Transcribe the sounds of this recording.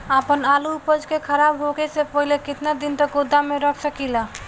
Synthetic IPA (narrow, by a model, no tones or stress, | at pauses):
apənaluːpəd͡ʒkekʰəɾabɦokesepəɦilekɪt̪nad̪int̪əkod̪ʱːameɾəkʰsəkila